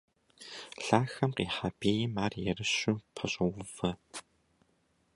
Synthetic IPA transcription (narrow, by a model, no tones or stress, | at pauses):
ɬaːxɐmqḭːħabeːjmaːrjɛrɨɕupʰɐɕʼɐwʊv̥ɐ